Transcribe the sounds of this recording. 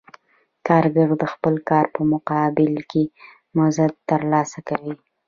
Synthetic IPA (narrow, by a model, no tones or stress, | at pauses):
kɑɾɡəɾd̪əxpəlkɑɾpəmʊqɑbɪlke | mʊzad̪̚t̪əɾlɑsakawi